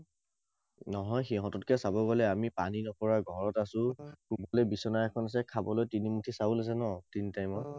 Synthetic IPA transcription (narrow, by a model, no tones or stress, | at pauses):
nɔɦɔjxiɦɔ̃tɔtkɛsabɔɡɔlɛamipaninɔpɔɹaɡʱɔɹɔtasʊ̃kubɔlɛbisɔnajɛkʰɔnas̬ɛkʰabɔlojtinimutʰisabʊlɛsɛnɔtinitajmɔ